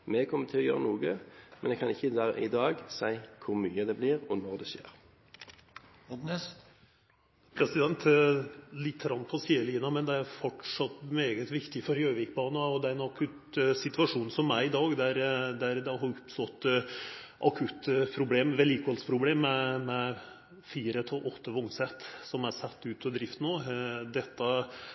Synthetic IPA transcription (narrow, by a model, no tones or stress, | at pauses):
mɛkʰɔmːət̪ʰɪlɔjø̰ːɾənuːɡəmɛnɛɡkʰɑnɪçːəd̪ɑ̰ɪ̰d̪ɑːɡsæɪkʰʊɾmyːəd̪ɛbliʁɔnɔʁd̪ɛʃḛːɾ | nɛs | pʰɾɛsɪd̪ɛnt̪ | lɪt̪ʰːəɾɑnːpʰɔsiːəliːnɑmɛnd̪ɛæɾfɔʈʂɑt̪ːmeːɡət̪ʋɪkt̪ɪfɔɾjøːʋɪk̚bɑːnɑɔd̪ɛæɾɛnɑkʰʉt̪sɪt̪ʋɑʂuːnsɔmæɪd̪ɑːɡd̪æɾd̪æɾd̪ɛɦɑɾʊpst̪ɔt̪ː | ʔɑkʰʉt̪ːpʰɾʊbleːmʋɛliːkɑlspʰɾʊbleːmːɛmɛ | fiːɾət̪ʰɪlʔɔt̪ʰːəʋʊŋsɛt̪ːsɔmæɾsɛt̪ːʉːt̪ʰɔd̪ɾɪft̪noːd̪ɛt̪ːɑ